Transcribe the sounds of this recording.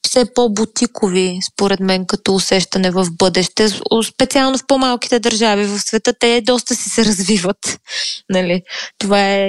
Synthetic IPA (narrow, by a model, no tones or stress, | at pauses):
fsɛpɔbut̪ikovispoɾɛt̪mɛnkɐt̪ɔːsɛʃt̪ɐnɛvɐvbɤd̪ɛʃt̪ɛspɛt̪sialˠnofpɔmalˠki̥t̪ɛd̪əɾʒavivəfsvɛt̪ɤt̪ɛd̪ɔst̪əsisɛɾɐzvivət̪nɐlit̪ovaɛ